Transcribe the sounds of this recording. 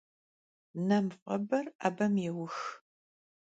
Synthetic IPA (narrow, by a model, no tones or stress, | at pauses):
nɐmqʷʼɔbɐra̰ːbɐmjɛwʊx